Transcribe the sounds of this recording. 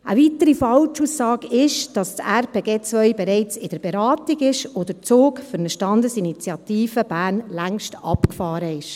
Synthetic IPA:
ʔəʋitəɾifɑlt͡ʃusːɑːkɪʃd̥ɑstæɾpeːɡeːt͡sʋœʏbɛɾɛɪt͡sɪd̥əɾb̥eɾɑːtiɡɪʃod̪ət͡soːkfʏɾnəʃtɑndəsinit͡sjɑtiːfəb̥æːrnlæŋʃtɑ̰pkfɑːɾəɪʃ

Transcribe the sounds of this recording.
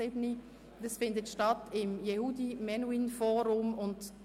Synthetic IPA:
ɪbni | d̥əsfɪndətʃtɑtɪmjehudimɛnwinfɔːɾʊmʊnd

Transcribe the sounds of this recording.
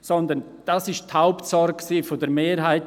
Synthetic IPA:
sɔnd̪ən | d̥asɪʃthaʊptsɔɾk̚ksiːfodəɾmeːɾɦaɪt

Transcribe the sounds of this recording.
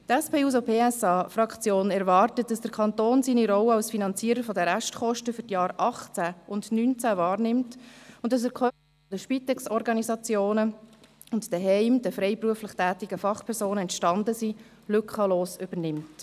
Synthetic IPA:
tɛspeːuːsopʰeːɛsɑːfrɑkt͡sjoːnɛɾvɑːrtət̚d̥ɑsd̥əɾkʰɑnt̪oːnsiːniɾɔwəɑlsfinɑnt͡siəɾəfɔdəɾæʃtχɔʃtəfʏɾtjɑːɾʔɑχt͡sæʔʊndnynt͡sævɑːɾnɪmtʊntdɑs̬ɛɾkʰχœ | fɔdəʃpit̪ɛksɔɾɡɑnisɑt͡sjoːnə | ʊntd̥ɛɦɛɪmd̥əfɾɛɪpɾuəfləχtæːtiɡ̥əfɑχpʰɛɾsoːnəɛntʃtɑndəsi | lʏkχəloːsʏb̥əɾnɪmt

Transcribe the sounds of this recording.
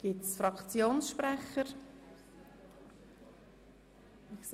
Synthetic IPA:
ɡ̥ɪtsfɾɑkt͡sjoːnsʃprɛχəɾ

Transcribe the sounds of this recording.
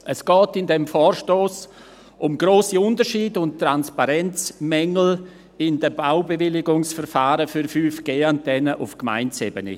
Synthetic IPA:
əsɡ̥ɔːtɪndɛmfɔːɾʃtoːs | ʔʊmɡɾoːsiʊndəɾʃiːdʊnttranspaɾɛnt͡smɛŋl̩ | ɪndəbaʊbevɪlɪɡʊŋsfɛɾfaːɾəfyɾfyːfɡ̥eːan̚d̥ɛnəʔʊfkma̰ɪnt͡sebənḛ

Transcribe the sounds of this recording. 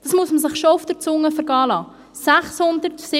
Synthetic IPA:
d̥ɑsmusməsɪχʃɔʊfd̥əɾt͡sʊŋːəfəɾɡɑːlɑː | sæχshʊnd̪əɾtsɪ

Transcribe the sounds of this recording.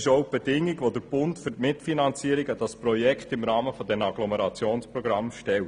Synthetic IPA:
ʃoʊb̥ɛd̥ɪŋɪɡʋod̪əɾb̥ʊntfʏɾtmɪtfinɑnt͡siəɾɪɡəd̥ɑspɾɔjɛkχtɪmɾɑːməfɔdɛmɑɡlɔmɛɾɑt͡sjoːnspɾɔɡɾɑmʃtɛlt

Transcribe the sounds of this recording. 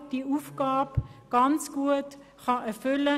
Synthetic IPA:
d̥iːuːfɡ̥aːbɡ̥ɑnt͡sɡ̥uət | xɑɛɐfʏlə

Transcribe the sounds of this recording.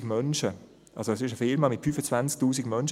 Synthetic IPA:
ɡmœnʃə | ʔɑ̰lsoɛsɪʃəfɪɾmɑmɪtfyːfət͡svant͡sk̚tuːsiɡmœnʃ

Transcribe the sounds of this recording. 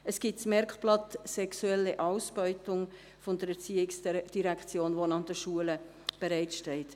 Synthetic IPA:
əsɡ̥itsmɛɾkplɑt̪sɛksuɛlːəʔɑʊsb̥ɔʏtʊŋ | fʊnd̥əɾɛɾt͡siːɪksd̥iɾækχt͡sjoːnʋonɑnd̪əʃuələ | b̥ɛɾaɪtʃtɛlt

